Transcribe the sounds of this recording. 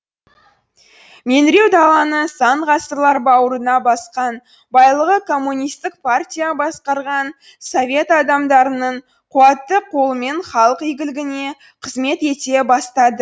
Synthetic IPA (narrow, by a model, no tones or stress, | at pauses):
me̞nɾe̞wd̪ɑlˠɑnəsɑɴʁɑsəɾlˠɑɾbɑwəɾənɑbɑsqɑn | bɑjlˠəʁəkʰo̞mːunʲijst̪ɪk̚pʰartʲijabɑsqɑɾʁɑn | so̞vʲe̞t̪ɑd̪ɑmd̪ɑɾənəɴ | qʰuwɑt̪ːəqʰo̞lˠəme̞ɴχɑlˠəqijɡʲɪlɪɡʲɪne̞ | qʰəzme̞t̪e̞t̪e̞bɑst̪ɑd̪ə